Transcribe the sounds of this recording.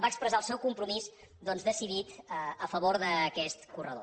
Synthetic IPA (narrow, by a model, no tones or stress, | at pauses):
baəkspɾəzaəlˠsɛwkumpɾumiz | d̪ɔnzðəsiðit̪əəfəβoɾðəkɛst̪kurə̰ðo̰